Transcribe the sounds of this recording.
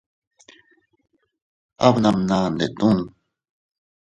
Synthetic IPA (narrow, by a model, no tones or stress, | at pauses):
abnamnaːnd̪et̪un